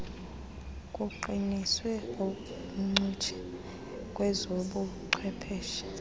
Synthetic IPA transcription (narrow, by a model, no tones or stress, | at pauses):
kʼuǃiniswɛo | ŋ͡ǀut͡ʃʰɛ̥ | kʼwɛzoɓuǀʰwɛpʰɛːʃḁ